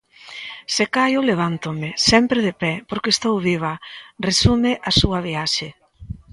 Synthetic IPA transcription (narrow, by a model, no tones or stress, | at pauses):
sekajʊleβ̞ant̪ʊmɪsɛmpɾeðepɛpoɾkest̪owβiβ̞ɐresumɪʔasuɐβ̞iaʃe